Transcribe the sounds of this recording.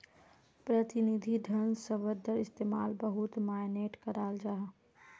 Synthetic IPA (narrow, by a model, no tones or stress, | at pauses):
pɾət̪ɪnid̪ʱid̪ʱənsəʋəd̪ʱəɾɪst̪eːmaːlbəɦʊt̪maːjneːʈkɐɾaːld͡ʒaːɦ